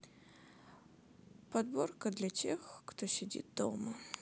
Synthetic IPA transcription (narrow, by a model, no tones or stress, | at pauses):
pɐd̪bo̞rkəd̪lʲɐtʲḛxkt̪oɕʲɪdʲḭt̪̚d̪o̰mə